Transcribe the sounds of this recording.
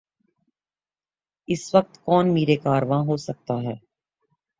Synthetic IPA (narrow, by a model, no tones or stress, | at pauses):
ɪsʋɐk̚t̪kɔːnmeːɾekaːɾʋãɦoːsɐk̚t̪aɦɛː